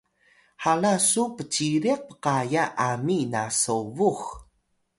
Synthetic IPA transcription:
halasupət͡ɕiɾiq̚pə̥qajaʔaminasovux

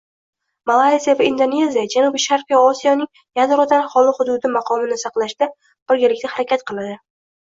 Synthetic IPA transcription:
malˠajzijavaind̪one̞zijad͡ʒanubʃaɾqijaɒsijɒnɪŋ | jad̪ɾɒd̪aɾχɒlˠɪhʊd̪ʊd̪ɪmɑqʰɒmɪnɪsɑqlˠaʃd̪̥a | b̥ɪɾɡʲalɪkʲt̪ahaɾakʲat̪qʰɨlˠad̪ɪ

